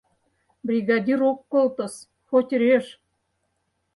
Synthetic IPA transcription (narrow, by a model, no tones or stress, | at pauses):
brʲiɣɑd̪ʲiɾokːolˠt̪ɤ̆s | xotʲɾeʃ